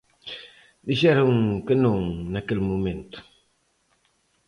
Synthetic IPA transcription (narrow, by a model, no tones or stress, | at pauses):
d̪iʃɛɾʊŋkɪnõŋnakelmumẽnt̪ʊ̥